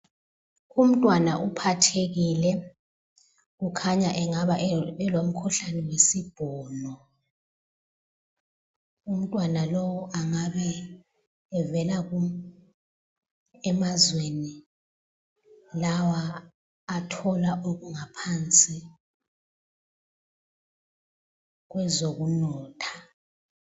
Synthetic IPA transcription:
um̩tʼwanaʔupʰatʰeɣilɛ | ɣukʰaɲaʔɛŋaβaʔɛlom̩kʰuɬanɛwesib̥ʱɔːlɔ | um̩tʼwanalowɔʔaŋaβɛː | vɛlaɣu | ɛmazweni | lawaː | tʰɔlaʔoɣuŋapʰant͡sʼi | ɣwɛzoɣunɔːtʰḁ

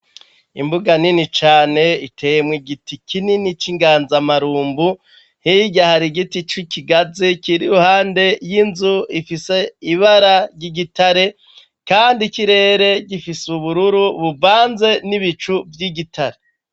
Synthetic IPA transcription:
ḭmbuɡaninit͡ʃaːne̞itʰe̞jemwiɡitikʰininit͡ʃiŋɡaːnzamaɾuːmbu | hiiɟahaɾiɡitit͡ʃwikiɡazikiɾiɾuhaːnde̞jinzuifise̞iβaɾaɟiɡitaɾe̞ | kaːndikiɾe̞ːɾe̞ɟifisuβuɾuɾuβubvaːnze̞niβit͡ʃuvjiɡitʰaɾe

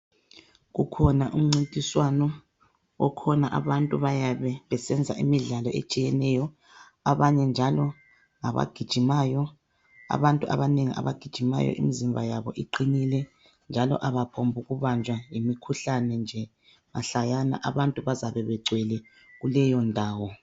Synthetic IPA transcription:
ɣukʰɔnaʔum̩ŋ͡ǀintʼiswanɔ | ɔ̰kʰɔnaʔaβantʼuβajaβɛβɛsɛnd͡zʱa̰ʔḭmiɮalɔʔḛt͡ʃʼijɛnɛjɔ | aβaɲɛnd͡ʒʱalɔ | ŋaβa̰ɡ̥ʱid̥ʒ̥ʱimaːjɔ | a̰βantʼuʔa̰βaneŋiʔa̰βa̰ɡ̥ʱid̥ʒ̥ʱima̰jɔ̰ʔimizimbʱajaβɔ̰ʔiǃinilɛ | nd͡ʒʱalɔ̰ʔaβapʰombʱuɣuβand͡ʒʱwajimikʰuɬanɛnd͡ʒʱɛ | maɬajana̰ʔaβantʼuβazaβɛβɛɡ͡ǀʱwɛlɛ | ɣulɛjɔndʱaːwɔ

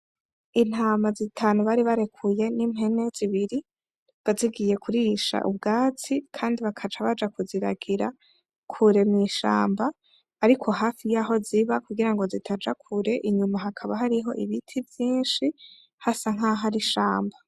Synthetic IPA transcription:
in̥haːmazitʰaːnuβaɾiβaɾe̞kʰuje̞nimɦe̞ne̞ziβiɾi | βaziɡije̞kuɾiʃa̰ʔṵb̚ɡaːt͡sikʰaːndiβakʰad͡ʒaβad͡ʒakuziɾa̰ɡiɾa | kʰuɾe̞mŋiːʃa̰ːmbaː | ɾikʰo̞ɦaːfijaːɦo̞ziβakuɡiɾaŋɡo̞zitʰad͡ʒakʰuɾe̞ʔiɲumaɦakʰaβaɦaɾiɦo̞̰ʔiβitʰivjiːnʃi | hasaŋ̥aɦaɾiʃaːmba

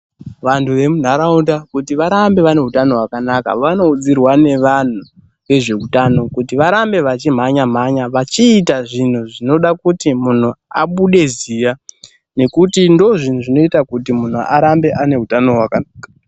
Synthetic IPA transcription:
ʋantʰuʋe̞mun̤aɾaundakutiʋaɾambe̞ʋane̞ɦutano̞ɦwakanaka̰ʋano̞ud͡zirwane̞ʋan̤u | ʋe̞ʐe̞utano̞kutiʋaɾambe̞ʋat͡ʃim̤aɲam̤aɲaʋat͡ʃiːtaʐin̤uʐino̞ɗakutimun̤ua̰ɓuɗe̞zija | ne̞kutindo̞ʐin̤uʐino̞itakut̬imun̤uʔaɾambe̞ʔane̞ɦutano̞ɦwakanaːkḁ

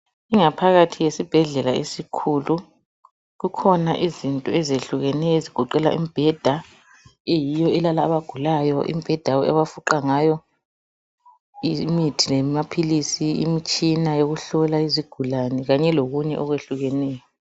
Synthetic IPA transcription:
iŋapʰaɣatʰijesib̥ʱɛɮɛlaesikʰulu | ɣukʰɔnaʔizintʼɔɛzeɬuɣɛnɛjɔeziɡ̥ʱɔǃɛla̰ʔḭmib̥ʱɛd̥ʱa | ejijɔɛlalaːβaɡ̥ʱulajɔʔḭmib̥ʱɛd̥ʱawɔɛ̰βafuǃaŋajɔ | imitʰilɛmapʰilisiḭmit͡ʃʼinajoɣuɬɔlaiziɡ̥ʱulanɛɣaɲɛloɣuɲɛʔɔɣweɬuɣɛnɛːjɔ

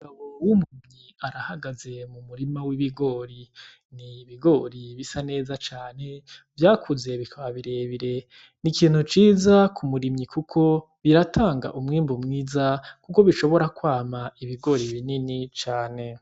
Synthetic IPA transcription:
uɡaβo̞wumuimɲiaɾahaɡaze̞mumuɾimawiβiɡo̞ɾi | niβiɡo̞ɾiβisane̞ːzat͡ʃaːne̞vjaːkʰuze̞βikʰaβaβiɾe̞βiɾe̞ | nikiːn̥hut͡ʃiːzakʰumuɾimɲikukʰo̞ | βiɾatʰaːŋɡa̰ʔumŋiːmbumŋiːzakuko̞βiʃo̞βo̞ɾakwaːmaiβiɡo̞ɾiβininit͡ʃaːne̞

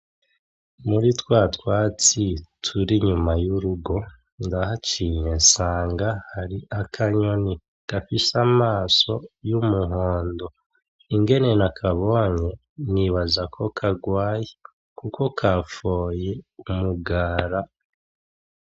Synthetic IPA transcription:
muɾitwaːtwaːt͡sitʰuɾiɲumajuɾuɡo̞ | ndahat͡ʃiɲesaːŋɡahaɾiʔakʰaɲo̞ni | kafisamaːso̞jumuɦoːndo̞ | iŋɡe̞ne̞nakʰaβo̞ːɲe̞ | niβazakʰo̞kʰaɡwaːje | kuko̞kafo̞ːjeumuɡaːɾa

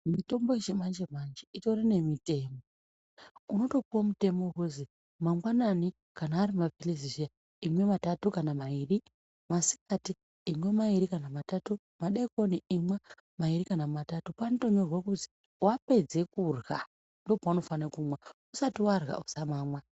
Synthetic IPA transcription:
mito̞mboiʃemand͡ʒemand͡ʒeitorine̞mite̞ːmo | uno̞to̞puomute̞moukuzi | maŋɡwanani | kanaːrimafilizivija | imwe̞matatukanamairi | masi̥katiː | mwe̞maiɾikanamatatu | maɗeiko̞niimwa | mairikanamatatupaːnotoɲorwakuti̥ | wape̞d͡ze̞kurɣa | ndo̞paano̞fanekumwausatiwarɣa̰usamaːmwa

